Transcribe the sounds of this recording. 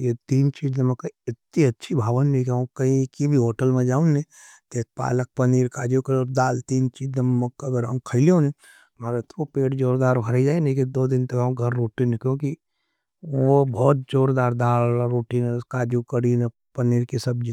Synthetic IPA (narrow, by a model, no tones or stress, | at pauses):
jet̪iːnt͡ʃiːd͡ʒnẽmɐkɐiɪt̪̚niɐtːʃʰibʱaːʋənnikaũkɐĩkibʱiɦoːʈəlmẽd͡ʒaːũnẽ | t̪eːk̪̚pa̰ːlək̚pɐniːɾkaːd͡ʒukɐɾd̪aːlt̪iːnt͡ʃiːd͡ʒnemmɐkɐɡəɾɐ̰̃kʰəɪliõnẽ | maɾet̪ʰopeːʈd͡ʒoːɾd̪aːɾbʱɐɾid͡ʒaːenekid̪oːd̪ɪnt̪ɐkɡʱɐɾːoːʈinekjõːki | obʱɔːt̪̚d͡ʒoːɾd̪aːɾd̪aːlɾoːʈinkaːd͡ʒukəɾine | pɐniːɾkisɐbd͡ʒi